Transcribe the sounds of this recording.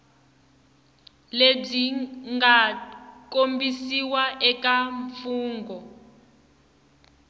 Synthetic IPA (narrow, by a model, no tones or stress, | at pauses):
leb͡ʐiŋɡakombisiwaʔɛkaɱfuːŋɡʱɔ